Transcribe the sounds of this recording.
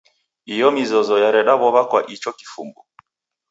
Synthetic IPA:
ijɔmizɔzɔjaɾɛɗaβɔβakwaʔit͡ʃɔki̥fṵmbu

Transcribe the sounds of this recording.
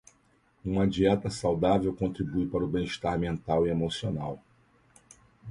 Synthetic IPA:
ũmɐad͡ʒiɛt̪ɐsawd̪avewkõnt̪ɾibujpaɾʊbẽj̃iʃt̪aɾmẽnt̪awiemosionaw

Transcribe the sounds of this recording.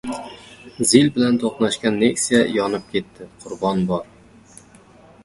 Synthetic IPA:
zilbɪlant̪ʰoqnaʃkʲanːe̞ksijajɒnɪp̚kʲʰe̞t̪ːɪqʰʊɾbɒnbɒɾ

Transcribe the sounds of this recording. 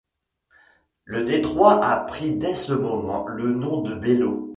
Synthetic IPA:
ləd̪et̪χwaʔapχid̪ɛsəmɔmɑ̰̃lənɔ̃d̪əbelo

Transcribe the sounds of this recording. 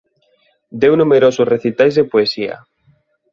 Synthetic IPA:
d̪ewnumeɾosʊsreθit̪ajzðepoesia̰

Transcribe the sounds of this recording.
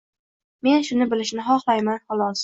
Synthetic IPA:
me̞nʃʊnɪbɪlɪʃnɪɦɒχlˠajmanhɒlˠɒs

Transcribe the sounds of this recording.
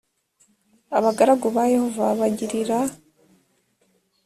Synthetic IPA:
aβaɡaɾaɡuβaje̞ho̞vaβaɟiɾiɾa

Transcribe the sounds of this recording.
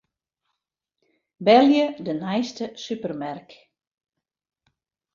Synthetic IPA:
bɛlˠjədənajstəsypərmɛrk

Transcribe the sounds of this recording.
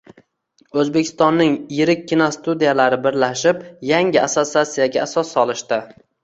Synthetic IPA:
ɵzbe̞kʲʰɪ̥st̪ɒnːɪŋjɪɾɪkʲʰːinɒst̪ud̪ijalaɾɪbɪɾlaʃɪpjaŋɪasotsːiat̪sijaɡʲaasɒsːɒlˠɪʃt̪ɪ

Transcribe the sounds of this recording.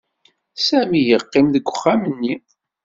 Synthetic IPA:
sæmijəqːɪmðəɡʷːəχːamənːi

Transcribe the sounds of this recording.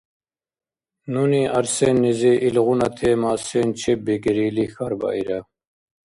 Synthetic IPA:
nuniɑɾsɛnːɛzɛʔilʁunat̪ʰɛːmaːsɛnt͡ʃʰɛbɛkɛɾiːlixaɾba̰ʔiɾa

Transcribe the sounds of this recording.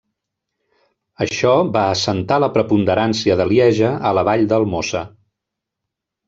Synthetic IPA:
əʃɔβaəsənt̪aləpɾəpund̪əɾansiəðəljɛʒəələβaʎd̪əlˠmosə

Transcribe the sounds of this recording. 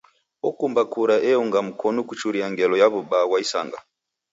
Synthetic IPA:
ɔkumbakuɾaʔɛɔŋɡam̩kʰɔnɔkut͡ʃuɾiaŋɡɛlɔjaβubawaisa̰ŋɡa̰

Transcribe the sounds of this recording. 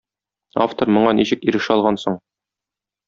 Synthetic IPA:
a̰ft̪oɾmŏɴɑniɕɘkiɾɘ̆ʃɘɒlˠʁɑnsoɴ

